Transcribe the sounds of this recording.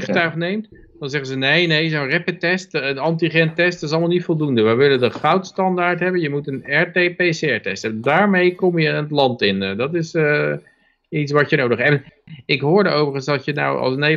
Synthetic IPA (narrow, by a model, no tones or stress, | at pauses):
χtœχnejmt | d̥ɑnzɛχənzənejnejzorɛpətɛstənɑntiχɛntɛstɪs̬ɑlˠmalˠnitfolˠdundəʋəjʋɪləndəχawtstɑndaːɹtɦɛbənjəmutənɛɹtepejseɛɹtɛ̰stədaːɹmejkɔmjənətlɑntɪndɑtɪsə | itsʋɑtənowdəχɛɛnɪkɦʊːɹdəowvəɹχənsɑsjəna̰wɑ̰lˠsəne